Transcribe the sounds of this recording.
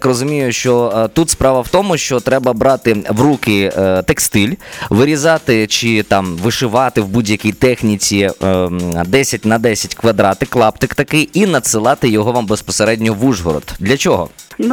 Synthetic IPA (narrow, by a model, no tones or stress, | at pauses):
krɔzʊmʲijʊʃt͡ʃɔt̪ut̪spɾɑʋɐwt̪ɔmʊʃt͡ʃɔt̪ɾɛbɐbɾɑt̪ɪʋɾukɪt̪ekst̪ɪlʲʋɪɾʲizɑt̪ɪt͡ʃɪt̪ɑmʋɪʃɪʋɑt̪ɪwbudʲjɐkʲijt̪ɛxnʲit͡sʲi | d̪ɛsʲɐt̚ʲnɐd̪ɛsʲɐtʲkʋɐd̪ɾɑt̪ɪklˠɑpt̪ɪkt̪ɐkɪjinɐd̪sɪlˠɑt̪ɪjɔɦɔʋambespɔseɾɛdʲnʲɔɔʋuʒɦɔɾɔ̰t̪d̪lʲɐt͡ʃɔɦɔ̰